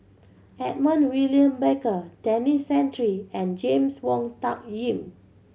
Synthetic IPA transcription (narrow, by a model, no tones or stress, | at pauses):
ɛt̚mə̃nwiliə̃mbekədɛnisɛ̃ntɹiɛ̃nd͡ʒẽmswɔ̃ŋtak̚jĩm